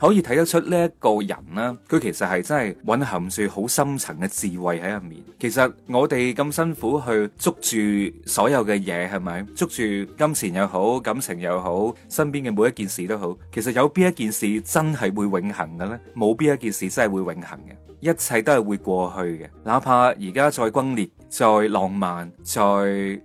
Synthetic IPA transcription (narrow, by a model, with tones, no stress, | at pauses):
hɔ˨˥jiː˨˧t̪ʰɐ˨˥jt̪ɐ˥k̚t͡ʃʰɵ˥t̚liː˥jɐ˥kɔː˧jɐ̰˨˩nlaː˥kʰɵ˨˧ɥkʰe˨˩jsɐ˨t̚hɐ˨jt͡sɐ˥nɦɐ˨jwɐ˨˥nɦɐ˨˩ŋt͡syː˨˧ho˨˥wsɐ˥mt͡sʰɐ˨˩ŋkɛ˧t͡siː˨wɐ˨jhɐ˨˥jɐ˨˩tmḭː˨nkʰe˨˩jsɐ˨t̚ŋɔː˨˧t̪e˨jkɐ˧msɐ˥nfuː˨˥ɦɵ˧ɥt͡sʊ˥k̚t͡ʃyː˨sɔː˨˥jɐ˨˧wkɛː˧jɛː˨˧ɦɐ˨jmɐ˨˥jt͡sʊ˥k̚t͡ʃyː˨kɐ˥mt͡sʰiː˨˩njɐ˨˧wɦo˨˥wkɐ˨˥msʰɪ˨˩ŋjɐ˨˧wɦo˨˥w | sɐ˥npiː˥nkɛː˧mo˨˧wjɐ˥t̚kiː˨nsiː˨t̪o˥wɦo˨˥wkʰe˨˩js̬ɐ˨t̚jɐ˨˧wpi˥jɐ˥t̚kiː˨nsiː˨t͡sɐ˥nɦɐ˨jwuː˨˧jwɪ˨˧ŋhɐ˨˩ŋɡɛ˧lɛː˥mo˨˧wpi˥jɐ˥t̚k̬iː˨nsiː˨t͡sɐ˥nhɐ˨˩jwuː˨˧jwɪ˨˥ŋhɐ̰˨˩ŋkɛ̰˧ | jɐ˥t̚t͡sʰɐ˨˧jt̪o˥hɐ˨˩jwuː˨˧jkʷɔː˧hɵ˧ɥkɛ˧laː˨˧˥pʰaː˧jiː˨˩kaː˥t͡sɔː˧jkwɐ˥ŋliː˨t̚ | t͡ʃɔː˧jlɔː˨ŋmaː˨nt͡sɔː˧j